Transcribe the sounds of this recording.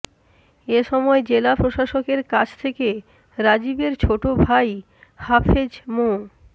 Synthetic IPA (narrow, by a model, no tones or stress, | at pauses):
eʃɔmɔed͡ʑelapɾoʃaʃokeɾkat͡ɕʰt̪ʰeke | ɾad͡ʑibeɾt͡ɕʰoʈobʱaj | hafʰed͡ʑmo